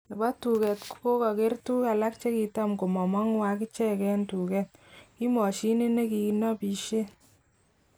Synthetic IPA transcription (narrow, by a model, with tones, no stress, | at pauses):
e˨ba˦tu˨kɛ˨tkko˦kɔ˨ke˦rtu˦ka˨la˦k̚t͡ʃe˦ki˨˧ta˦mko˨mɔ˨mɔ˦ŋwa˦ki˦t͡ʃɛ˦kɛ˦ntu˨kɛ˦t̚ki˦mɔ˨ʃi˦ni˦ne˦ki˨˦nɔ˦pi˨ʃe˦